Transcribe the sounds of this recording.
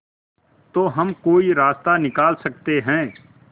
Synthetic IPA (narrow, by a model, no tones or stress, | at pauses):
t̪oːɦɐmkoːiɾaːst̪anɪkaːlsək̚t̪eɦɛ̃ː